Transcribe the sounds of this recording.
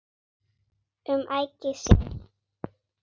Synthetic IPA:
ʏmʔajcɪsɪ̰n

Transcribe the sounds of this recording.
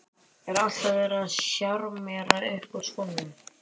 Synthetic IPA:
ɛɾal̥t̪avɛɾaðsɕjaɾmɛːɾaejhkʏɾ̥skɔwnːʏm

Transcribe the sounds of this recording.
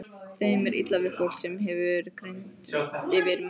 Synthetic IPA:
θejmɛɾʔḭt̪lavɪðfowl̥sɛmɦɛvʏɾkɾejnt̪ɪvɪɾ

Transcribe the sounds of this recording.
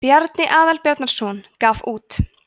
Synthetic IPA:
pjaɾt̪nɪʔaːðalpjaɾt̪naɾ̥sɔnkaːfuːt̪

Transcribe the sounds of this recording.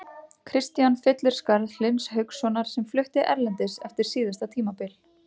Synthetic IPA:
kʰɾɪst̪janfɪt̪lɪɾ̥skaɾðlɪnshœɥksɔnaɾ̥sɛmflʏht̪ɪʔɛ̰ɾlɛnt̪ɪsɛ̰ft̪ɪɾ̥siːðast̪at̪ʰiːmapɪl

